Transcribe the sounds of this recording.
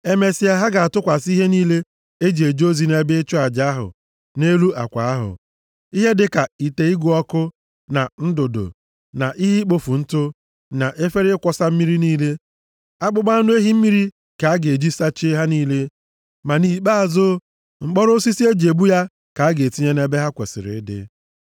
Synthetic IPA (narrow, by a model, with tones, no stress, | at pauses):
e˦me˨si˨a˦ɦa˦ɡa˨a˨tʊ˦kʷa˨si˦ɦe˦niː˦le˦ | e˦d͡ʒe˨d͡ʒo˦zi˨ne˦be˦t͡ʃʊ˦a˨d͡ʒa˦a˦ɦʊ̰˨ | ne˦lu˦ʔa̰˨kʷa̰˨a˦ɦʊ̰˨ | i˦ɦe˦dɪ˨ka˨i˨te˨i˦ɡʷʊ˦ɔ˦kʊ˦ | na˨n̩˦do˨do̰˨ | na̰˨ʔi˦ɦi˦k͡po˦fu˨n̩˦tʊ˦ | na˨ʔe˦fe˦ɾɪ˦kʷɔ˦sa˦m̩˦mi˦ɾi˦niː˦le˦ | a˦k͡pʊ˦ɡ͡ba˦nʊ˦e˦ɦi˦m̩˦mi˦ɾi˦ | ka˨a˦ɡe˨d͡ʒi˦sa˦t͡ʃe˦ɦa˦niː˦le˦ | ma˨ni˨k͡pa˦a˨zʊ˦ | ŋ͡m̩˨k͡pɔ˦ɾʊ˦si˦si˦e˦d͡ʒe˨bu˦ja˦ | ka˨a˦ɡe˨ti˦ɲe˦ne˦be˦ɦa˦kʷe˨sɪ̰˨ɾɪ̰˨˦dɪ̰˦